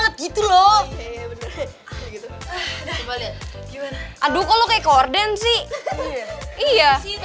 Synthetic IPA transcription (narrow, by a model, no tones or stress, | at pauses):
ŋat̪̚ɡit̪ulobənə | ɡit̪u | baliɡimanaʔadukalokaakordansɪh | ija